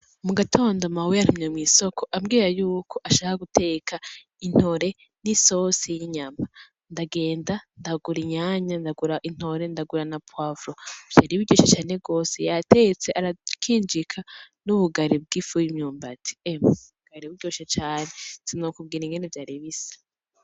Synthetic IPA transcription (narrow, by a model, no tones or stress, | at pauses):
muɡatʰo̞ːndomaweaɾumɲemwiːsokʰo̞ʔamɡiːɾajuːkʰo̞ʔaʃakaɡute̞kʰa | in̥ho̞ɾe̞ | niso̞sijiɲama | ndaɡe̞ːndandaɡuɾiɲaːɲandaɡuɾaʔin̥ho̞ɾe̞ndaɡuɾanapwavɾov̥jaːɾiβiɟoːʃat͡ʃaːne̞ɡo̞ːsejate̞t͡se̞ʔaɾakʰiːnd͡ʒikʰanuβuɡaɾib̚ɡifujimɲuːmba̰tʰi̥emaβuɡ̥aɾiβiɟoːʃat͡ʃaːnezinokubɡiːɾiŋɡenevjaːɾiβisḁ